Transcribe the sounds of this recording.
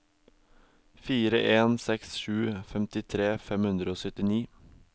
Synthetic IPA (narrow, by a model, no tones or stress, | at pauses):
fiːɾəʔeːnsɛksʃʉːfɛmt̪ɪt̪ʰɾeːfɛmhʉnd̪ɾəoːsœt̪ɪniː